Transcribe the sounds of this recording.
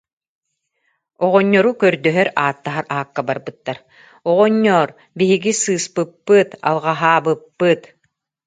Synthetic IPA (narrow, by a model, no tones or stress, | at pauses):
ɔʁɔɲːɔɾukœɾd̪œɦœɾaːt̪ːaɦaɾaːkːabaɾbɯt̪ːaɾ | ɔʁɔɲːɔːɾ | biɦiɡisɯːspɯpːɯt̪a̰lˠʁaɦaːbɯpːɯt̪